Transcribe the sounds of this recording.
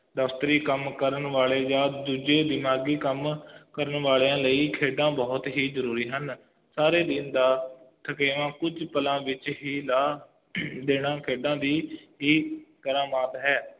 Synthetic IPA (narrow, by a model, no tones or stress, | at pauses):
d̪əst̪ɾiːkəmkəɾəɳʋaːɭeːd͡ʒaːd̪uːd͡ʒeːd̪ɪmaːɡiːkəmkəɾəɳʋaːleːãːləiːkʰeːɖãːbɔːt̪ɦiːzəɾuːɾiːɦən | saːɾeːd̪ɪnd̪aːt̪ʰəkeːʋãːkʊd͡ʒpəlãːʋɪt͡ʃɦiːlaː | d̪eːɽ̃ãːkʰeːɖãːd̪iːɦiːkəɾaːmaːt̪ɦɛː